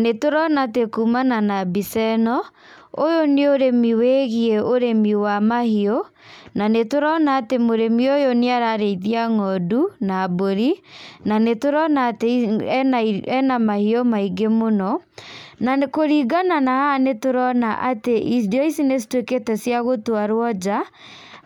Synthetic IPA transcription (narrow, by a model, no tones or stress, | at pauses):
netoɾɔnatekumananabisɛnɔ | ojoneoɾemiweɣieoɾemiwamahiɔ | nanetoɾɔnaːtemoɾemiojoneaɾaɾeiðiaŋɔdunaːboɾinanetoɾɔnaːteaɛnamahiɔmaiɡemonɔnakoɾiɡananahanetoɾɔnaʔateʔidiɔisines̬tweketɛsiaɣotwaɾwɔd͡ʒa